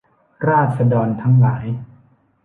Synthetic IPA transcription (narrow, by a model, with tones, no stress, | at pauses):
ɾaː˥˩t̪̚sa˧dɔː˧nt̪ʰa˦˥ŋlaː˩˦j